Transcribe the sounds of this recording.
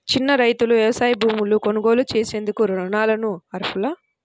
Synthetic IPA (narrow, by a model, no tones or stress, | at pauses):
t͡ʃinːɐɾɐjt̪uluʋjɐʋɐsaːjɐbʱuːmuluko̞nuɡo̞ːlut͡ʃeːse̞ːnd̪ukuɾɔɳaːlɐnuɐɾpʰula